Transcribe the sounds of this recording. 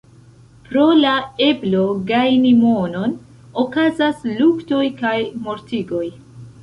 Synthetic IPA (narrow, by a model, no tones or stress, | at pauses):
pɾo̞lae̞blo̞ɡajnimo̞no̞n | okazaslukto̞jkajmo̞ɾtiɡo̞j